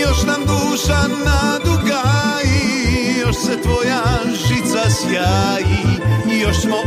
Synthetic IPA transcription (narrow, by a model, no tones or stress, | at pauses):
joʃnamd̪uːʃanad̪uɡaijoʃsɛt̪ʋoja | ʒit̪sasjajiːjoʃsmo